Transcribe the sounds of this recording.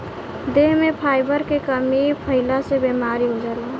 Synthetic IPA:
d̪eɦmepʰajbəɾkekəmipʰəɪlasebemaɾiɦud͡ʒəli

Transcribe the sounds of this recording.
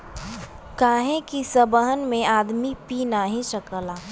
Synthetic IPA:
kaːɦẽkisəbəɦənmẽaːd̪mipinaɦĩʃɐkəlaː

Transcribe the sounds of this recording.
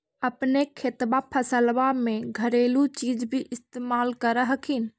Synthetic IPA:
əpnekʰet̪bapʰəsəlʋameɡʱəɾelut͡ʃid͡ʒbʱiʔɪst̪emalkəɾəɦəkʰin

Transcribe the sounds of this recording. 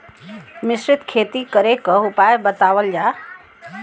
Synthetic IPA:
mɪsɾɪt̪kʰeːt̪ikəɾekəʊpaːjbət̪aːʋəld͡ʒaː

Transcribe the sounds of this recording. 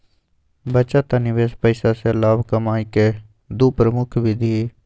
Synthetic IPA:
bət͡ʃat̪anɪʋeːspəɪsaselaːbkəmaːike | d̪uːpɾəmʊkʰbʱid̪ʱie

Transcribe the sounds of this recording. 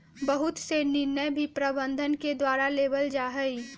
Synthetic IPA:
bəɦʊt̪senɪɾnəbʱipɾəbə̃nd̪ʱənked̪waːɾaleːbəld͡ʒaːɦəi

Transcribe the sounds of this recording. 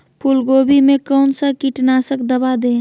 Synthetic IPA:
pʰʊlɡoːbimẽkɔːnsakiʈnaːsəkd̪əbad̪ẽː

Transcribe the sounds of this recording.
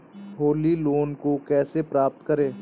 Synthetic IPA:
ɦoːliloːnkokɛːsepɾaːp̚t̪kɐɾeː

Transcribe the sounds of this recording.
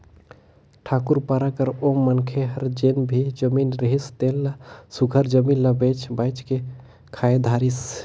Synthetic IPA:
ʈʰaːkuɾpaɾakəɾomːənkʰeɦəɾd͡ʒenbʱid͡ʒəminɾeɦist̪elːasuɡʱəɾd͡ʒəminlabet͡ʃbajt͡ʃke | kʰaːed̪ʱaːɾis

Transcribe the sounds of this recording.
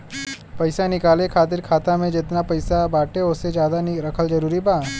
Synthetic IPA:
pɐɪsanɪkaːlekʰaːt̪̬ɪɾkʰaːt̪amẽd͡ʒɪt̪napɐɪsabaːʈeʊsed͡ʒjaːd̪anɾɐkʰəld͡ʒɐɾuːɾibaː

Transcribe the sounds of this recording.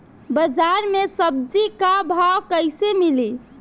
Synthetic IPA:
bəd͡ʒaɾmesəb̚d͡ʒikabʱawkəɪsemili

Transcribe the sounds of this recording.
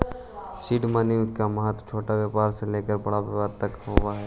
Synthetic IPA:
ʃiːɖmaniɪkːamɐɦət̪t͡ʃʰoːʈaʋjaːpaːɾseleːkəɾbɐɽaʋɪʋaɾt̪əkɦowaɦɛː

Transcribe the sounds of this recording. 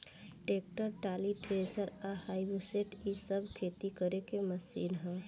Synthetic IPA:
ʈeːk̚ʈəɾʈaːliʈɾeːsəɾahaibuseʈisəbʱkʰet̪ikəɾekeməsḭːnɦɛ̃

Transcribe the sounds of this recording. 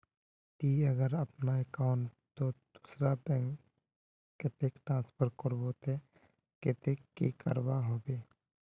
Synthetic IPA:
t̪iːəɡəɾəpnaekaʊɳʈ | t̪od̪̥usɾabɛ̃ŋk | kːɪt̪ekʈɾãːnspʰəɾkəɾbot̪e | kɪt̪ekːḭkə̰ɾbaɦoːbeː

